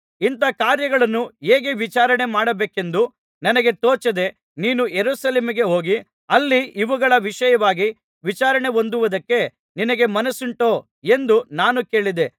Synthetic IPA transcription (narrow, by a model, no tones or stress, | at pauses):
int̪ɐkaːɾjɐɡɐɭɐnːuɦeːɡeʋit͡ʃaːɾɐɳe̞maːɽɐbeːke̞nd̪u | nɐnɐɡe̞t̪oːt͡ʃɐd̪e̞ | niːnujeɾuːsɐleːmiɡe̞ɦo̞ːɡi | ɐlːiʔiʋuɡɐɭɐʋiʂɐjɐʋaːɡi | ʋit͡ʃaːɾɐɳe̞o̞nd̪uʋɐd̪ɐkːe̞ | ninɐɡe̞mɐnɐsuɳʈo̞ː | e̞nd̪unaːnuke̞ːɭid̪e